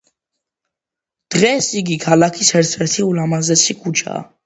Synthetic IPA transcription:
d̪̥ʁɛsiɡikʰalakʰishɛɾt͡sʰɾɛt̪ʰiulamazɛt͡sʰikʰut͡ʃʰa̰

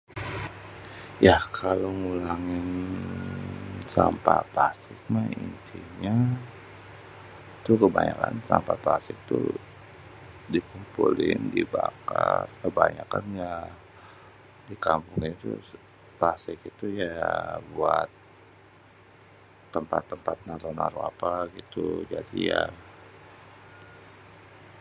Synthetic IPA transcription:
jahkʰaloŋulaŋɪn | sampaplast̪ɪk̚maint̪ʰiɲa | t̪ukəbaɲakansampaplast̪ɪk̚t̪ṵ | dikumpulɪndibakakəbaɲakanja | dikampʊŋɲat̪ṵ | pasɪkit̪ujabuat̪̚ | əmpat̪ːəmpat̪̚natonaɾuapaɡit̪ud͡ʒadija

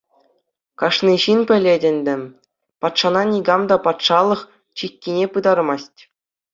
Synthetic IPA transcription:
kɑʂniʑinpʲɘ̆lʲedʲɘ̆nʲd̪ʲɘ̆ | pɑt̪ʂɑnɑnʲiɡɑmd̪ɑpɑt̪ʂɑlˠɤ̆χ | t͡ɕikʲːinʲepɯd̪ɑrmɑsʲtʲ

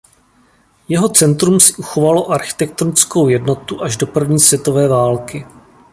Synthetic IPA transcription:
jɛɦo̞t͡sɛnt̪ɾumsɪ̥ʔuxo̞valo̞ʔaɾxɪ̥t̪ɛk̚t̪onɪt͡sko̞wjɛdno̞t̪uʔaʒdo̞pr̩vɲiːsvjɛt̪o̞vɛːvaːlkɪ

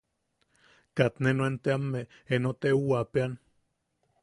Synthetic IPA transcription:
kat̪nenoent̪eamːe | enot̪euwapean

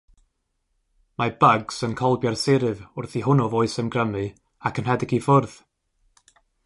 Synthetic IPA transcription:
mabəɡsənkʰɔlˠbjarsɪɾɨvʊrθiɦʊnɔvoɨsəmɡrəmɨ | akʰənhɛdɪɡifʊrð̥

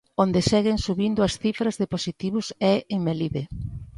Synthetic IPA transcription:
ond̪esɛɣɪŋsuβind̪ʊɐsθifɾɐzðeposit̪iβʊsɛeŋmeliðe

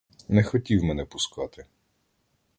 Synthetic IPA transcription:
nɛxɔtʲiwmɛnɛpʊskɑt̪ɪ

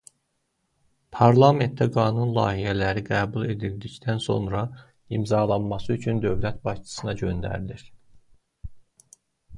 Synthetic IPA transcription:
pʰɑɾlˠɑme̞nt̪ʰːæɡɑːnunlˠɑ̰ːhijælæɾiɡæːbulˠe̞d̪ild̪ict̪ʰænso̞̰nɾɑ | imzɑːlˠɑnmɑsɯyt͡ʃʰynd̪ø̞vlæt̪bɑʃt͡ʃʰɯ̥sɯnɑɟø̞nd̪æ̰ɾd̪iɾ

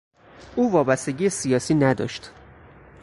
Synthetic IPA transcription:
ʔuːvɒːbæst̪eɟiːjesijɒːsiːnæd̪ɒ̰ːʃt̪

